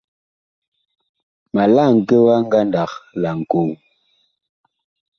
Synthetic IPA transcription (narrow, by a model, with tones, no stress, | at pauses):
ma˨la˦˨ŋ̩˨ke˦wa˦ŋ̩˦ɡa˦nda˨kla˨ŋ̩˨ko˦˨w